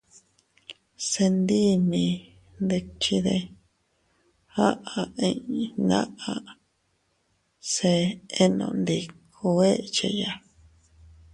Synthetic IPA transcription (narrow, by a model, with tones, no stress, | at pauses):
se˧nd̪i˦mĩ˧ | nd̪e˧t͡ʃi˧ðe˧ | ha˦ʔa˨˧ĩ˧ʔĩ˧nã̰˦ʔã˧ | se˧e˦nõ̰˧˨nd̪i˧kʰu˧e˦t͡ʃḛ˧ja˧